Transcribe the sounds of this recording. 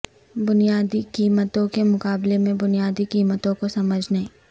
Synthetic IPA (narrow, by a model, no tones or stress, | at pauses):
bʊnijaːd̪ikiːmət̪õkemʊkaːblemẽbʊnijaːd̪ikiːmət̪õkosɐməd͡ʒʱnɐɦĩː